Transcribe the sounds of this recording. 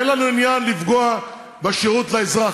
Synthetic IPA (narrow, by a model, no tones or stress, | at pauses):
enlanuinjanlivɡoa | baʃeʁutlaezʁa